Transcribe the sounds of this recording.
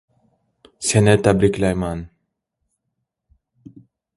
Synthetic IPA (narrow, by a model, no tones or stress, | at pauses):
senet̪ːabɾiklajman